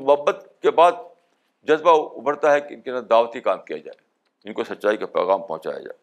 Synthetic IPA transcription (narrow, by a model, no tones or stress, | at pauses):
mʊɦəbːət̪kebaːd̪̚ | d͡ʒɐzbaʊbʱəɽt̪aɦɛkeɪnkenad̪aːʋət̪ikaːmkija̰d͡ʒa̰ːḛ | ɪnkosɐtːʃaːikapɾo̰ːɣaːmpɔ̰̃ːt͡ʃa̰ːja̰d͡ʒa̰ːe